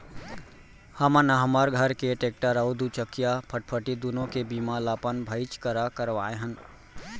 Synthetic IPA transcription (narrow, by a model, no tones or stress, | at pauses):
həmənəɦəməɾɡʱəɾkeʈeːk̚ʈəɾəʊd̪ut͡ʃəkːijapʰəʈ̚pʰəʈid̪unõkebiːmalaːpənbʱəɪt͡ʃkəɾakəɾʋaːeɦən